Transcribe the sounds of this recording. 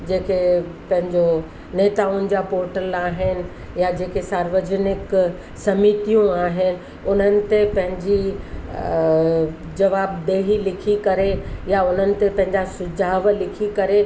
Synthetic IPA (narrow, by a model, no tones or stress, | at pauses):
d͡ʑeːkepɐ̃ɦɪ̃ɲd͡ʑo | neːt̪aːʊnɪ̆d͡ʑapoːɾʈəlaːɦɪnɪ̆ | jad͡ʑeːkesaːɾʋəd͡ʑnɪk | sɐmit̪ijũaːɦɪnɪ̆ | ʊn̤ənɪ̆t̪epɐ̃ɦɪ̃ɲd͡ʑi | d͡ʑɐʋaːbd̪eːɦilɪkʰikɐɾejaʊn̤ənɪ̆t̪epɐ̃ɦɪ̃ɲd͡ʑasʊd͡ʑʱaːʋlɪkʰikɐɾe